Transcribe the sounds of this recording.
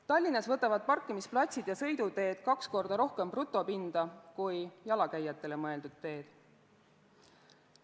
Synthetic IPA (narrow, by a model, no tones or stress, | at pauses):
t̪ɑlʲːinɑsvɤt̪ːˑɑvɑd̪̥̚pɑrkːˑimisplɑt̪ʲsid̪̥jɑsɤ̞jd̪ud̪e̞ːd̪̥kɑksko̞rd̪̥ɑɾo̞hke̞mprut̪ːˑo̞pind̪̥ɑkujjɑlɑkæjːɑt̪ːˑe̞le̞mɤe̞ld̪̥ud̪̥̚t̪e̞ːd̪̥